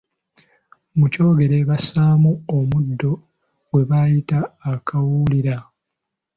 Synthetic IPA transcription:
muco̞ːɡe̞ɾe̞βasaːmuomudːo̞ | we̞βajitaːkawuːliɾa

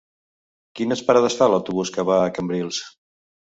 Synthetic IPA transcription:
kinəspəɾaðəsfaləwt̪uβuskəβaːkəmbɾilˠs

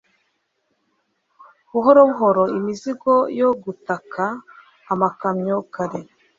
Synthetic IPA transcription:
βuɦoɾoβuɦo̞ɾo̞imiziɡo̞joɡutakʰaː | makamɲokaɾe

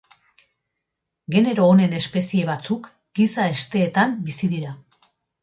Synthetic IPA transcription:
ɡe̞ne̞ɾo̞ːne̞ne̞spe̞sie̞β̞at͡suk | ɡisae̞st̪e̞ːt̪ambisiðiɾa

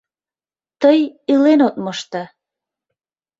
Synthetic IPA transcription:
t̪əjilenot̪̚məʃt̪ɑ

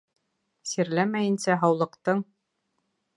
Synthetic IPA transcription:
siɾlæmæjɘ̆nsæɦɑwlˠɤ̆qt̪ɤɴ

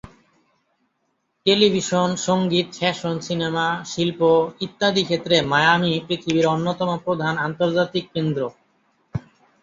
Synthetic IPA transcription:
ʈelibʱiʃonʃoŋɡit̪ʃɛʃonsinemaʃilpoit̪ːad̪ikʰet̪ːɾemajamipɾit̪ʰibiɾonːot̪ɔmopɾod̪ʱanant̪oɾd͡ʑat̪ikːend̪ɾo

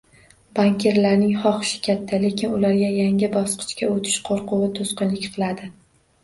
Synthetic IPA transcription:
b̥aŋkʲʰe̞ɾlaɾnɪŋχɒχɨ̥ʃɪ̥kʲʰat̪ʰːale̞kʲɪnʊlaɾɡʲajaŋɪbɒsqʰɨ̥t͡ʃkʲaot̪ʰɪ̥ʃqʰoɾqʰʊwɪt̪ʰʊsqɨnlɪkʲqʰɨlˠad̪ɪ

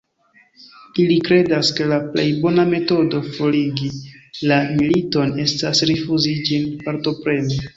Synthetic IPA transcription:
ilikɾe̞daske̞laplḛjbo̞name̞to̞do̞fo̞liɡilamilito̞ne̞stasɾifuzid͡ʒinpaɾto̞pɾe̞ni

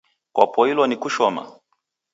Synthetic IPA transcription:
kwʔa̰pɔilwɔnikuʃɔma̰

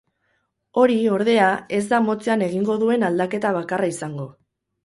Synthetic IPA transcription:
o̞ɾio̞ɾðe̞ae̞zd̪amo̞t͡seane̞ɣ̞iŋɡo̞ðue̞nald̪ake̞t̪aβ̞akaraisaŋɡo̞

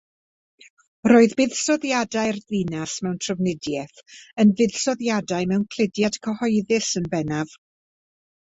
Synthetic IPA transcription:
roːɨðbɪðsɔðjadajrðinasmɛwntʰrəvnɪdjɛθənvɪð̥sɔðjadaɨmɛwnkʰl̥ɪdjad̥kʰəhɔɨðɪsənbɛnav̥

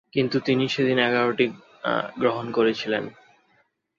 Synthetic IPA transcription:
kint̪ut̪iniʃed̪inɛɡaɾoʈi | ɡɾoɦonkoɾet͡ɕʰilḛn

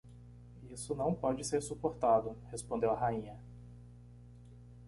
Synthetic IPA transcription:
isʊnɐ̃w̃pɔd͡ʒɪseɾsupoɾt̪ad̪ʊhespõnd̪ewɐɦaĩɲɐ

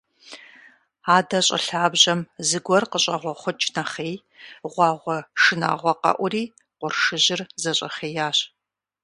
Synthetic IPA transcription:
aːdɐɕʼɐ̰ɬaːbʑɐmzɨɡʷɔrqəɕʼɐʁʷɔχʷʊt͡ʃʼnɐχeːj | ʁʷɑːʁʷɔʂɨna̰ːʁʷɔqɐ̰ʔʷʊriː | qʷʊrʂɨʑɪrzɐɕʼɐ̰χeːjaːɕ

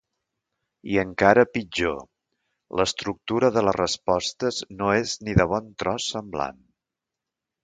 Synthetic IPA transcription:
iəŋkaɾəpid͡ʒo̰ | ləst̪ɾuk̚t̪uɾəðələrəspɔst̪əznoezniðəβ̞ɔnt̪ɾɔsːəmbla̰n

